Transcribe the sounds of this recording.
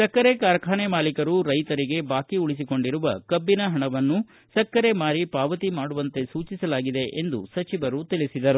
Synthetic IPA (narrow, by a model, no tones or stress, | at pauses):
sɐkːɐɾekaːɾɐkʰaːnemaːlikɐɾuɾɐjt̪ɐɾiɡe̞baːkiuɭis̬iko̞ɳɖiɾuʋɐkɐbːinɐɦɐɳɐʋɐnːu | sɐkːɐɾe̞maːɾipaːʋɐt̪imaːɽuʋɐnt̪e̞suːt͡ʃisɐlaːɡid̪e̞ʔend̪ṵsɐt͡ʃiʋɐɾut̪ilisid̪ɐɾu